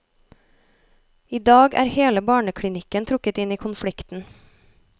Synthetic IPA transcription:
iːd̪ɑːɡæ̰ːɾheːləbɑːɳəkʰɽɪnɪkənt̪ʰɾʊkət̪ɪniːkʰʊnfɽɪkt̪n̩

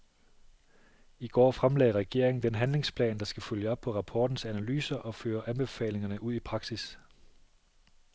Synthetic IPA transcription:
iɡ̥ɒ̰ːfʁamlɛ̰ːɐʁɛɡ̥e̝ɐ̰eŋn̩d̥enɦænle̝ŋspʰlɛ̰ːnd̥ɑ̈sɡ̥æføljəɒ̽b̥̚pʰɒ̽ʁɑ̈pʰɒːd̥n̩sænælyːsɐʔɒ̽føːɐʔænb̥e̝fɛ̰ːle̝ŋɐnəʔuð̞̰ˠipʰʁɑ̈ɡ̥sis

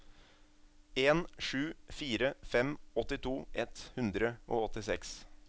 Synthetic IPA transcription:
eːnʂʉːfiːɾəfɛmɔt̪ɪt̪ʰuːʔɛt̪hʉnd̪ɾəʔoːɔt̪ɪsɛks

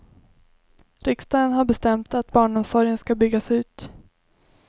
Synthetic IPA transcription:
ɾɪkst̪ɑːd̪ənɦaɾbɛst̪ɛmt̪at̪bɑːɳɔmsɔɾjənskabʏɡːasʉ̟ːt̪

